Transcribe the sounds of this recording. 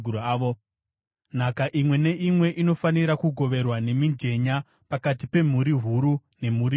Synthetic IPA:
uɾoaːʋo | n̤akaʔimwe̞ne̞ʔimwe̞ʔino̞faniɾakuɡʱo̞ʋe̞rwane̞mind͡ʒe̞ɲa | pakatipe̞m̤uɾiɦuɾune̞muɾi

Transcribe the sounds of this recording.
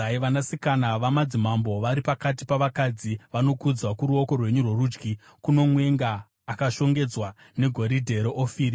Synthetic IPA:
aiʋanasikanaʋamad͡zimambo̞ʋaɾipakatipaʋakad͡ziʋano̞kud͡zwakuɾuo̞ko̞rwe̞ɲurwo̞ruːd͡ʒɡi | kuno̞mwe̞ŋɡaː | kaʃo̞ŋɡe̞d͡zwa | ne̞ɡʱo̞ɾidʱe̞ɾoʔofiːri

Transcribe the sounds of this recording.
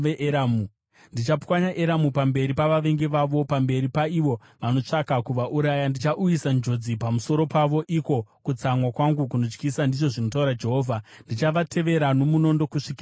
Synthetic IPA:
ʋeʔeɾamu | ndit͡ʃapwaɲaʔeɾamupambe̞ɾipaʋaʋe̞ŋɡeʋaʋo̞pambe̞ɾipaiʋo̞ | ʋano̞t͡ʂakakuʋaʔuɾajandit͡ʃaʔujisand͡ʒo̞d͡zipamuso̞ɾo̞paʋo̞ʔiko̞kut͡samwakwaŋɡuk̬unot͡ʃkisandiʐo̞ʐino̞tauɾad͡ʒe̞ɦo̞ːvʱandit͡ʃaʋatʰe̞ʋe̞ɾano̞muno̞ndo̞kuʂikː

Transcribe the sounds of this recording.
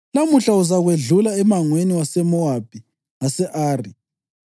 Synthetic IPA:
lamuɬauzaɣweɮulaɛmaŋweniwasɛmɔab̥ʱi | ŋasɛʔaːri

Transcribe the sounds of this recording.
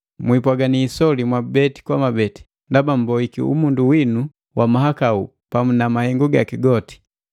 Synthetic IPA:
mwipwaɡaniːsɔlimwabɛti̥kwamabɛti̥ | ndabam̩bɔikḭṵmunduwinu | wʔamaɦakaṵ | pamunamahɛŋɡuɡakiɡɔti̥

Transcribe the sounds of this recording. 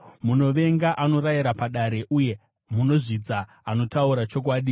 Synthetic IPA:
muno̞ʋe̞ŋɡaʔano̞ɾajiɾapaɗaɾe̞ʔuje̞ | muno̞ʐid͡za | ano̞tauɾat͡ʃo̞k̬waːɗi

